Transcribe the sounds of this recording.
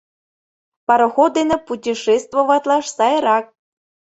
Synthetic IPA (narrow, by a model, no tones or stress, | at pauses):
pɑɾŏxod̪enĕputʲiʃest̪voβɑt̪lɑʃsɑjɾɑk̚